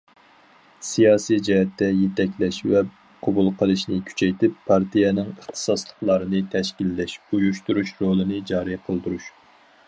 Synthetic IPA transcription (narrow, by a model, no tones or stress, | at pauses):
sijɑːsijd͡ʒɛɦɛt̪ːɛjet̪ɛkʲlɛʃvɛ | qʰɑbulˠqʰəlˠɨʃnɨkʲʰy̥t͡ʃʰɛjt̪ɪpʰːɑɾt̪ʰijɛnɪŋəχt̪ʰɨ̥sɑslˠə̥χlˠɑɾɨnɨt̪ʰɛʃkʲilːɛʃujuʃt̪uɾuʃɾolˠɨnɨd͡ʒɑːɾiqʰəlˠd̪uɾuʃ